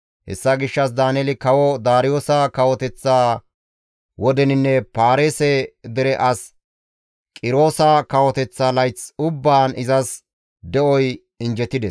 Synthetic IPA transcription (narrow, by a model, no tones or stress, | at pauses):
hɛ̰sːɐɡɪʃːɐsd̪aːnɛlɪkɐwɔd̪aːɾɪjo̞ːsɐkɐwɔt̪ɛt͡sːaː | wɔd̪ɛnɪnːɛpaːɾeːsɛd̪ɛɾɛʔɐs | kʼɪɾo̞ːsɐkɐwɔt̪ɛt͡sːaːlɐjt͡sʊbːaːnɪzɐs | d̪ɛʔɔj | ɪnd͡ʒɛt̪ːɪd̪ɛs